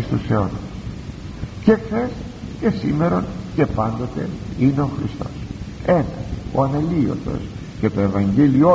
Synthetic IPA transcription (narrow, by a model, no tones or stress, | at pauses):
st̪useo̞nɐ | ce̞xθe̞s | ce̞sime̞ɾo̞nce̞pɐnd̪o̞t̪ḛine̞o̞xɾist̪o̞̰se̞nɐo̞̰ɐnɐlio̞̰θo̞̰s | ce̞t̪o̞e̞vɐɲɟelio